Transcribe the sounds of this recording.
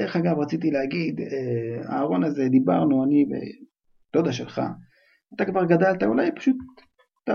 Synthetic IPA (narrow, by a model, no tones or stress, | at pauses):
deʁeχaɡavʁat͡sit̪̬ileaɡid̪ea̰ːʁo̞naze̞d̪iba̰ʁnuanibḛ | t̪od̪aʃelχa̰ | at̪akvaʁɡad̪alt̪aulajpḁʃut̪̚ː | a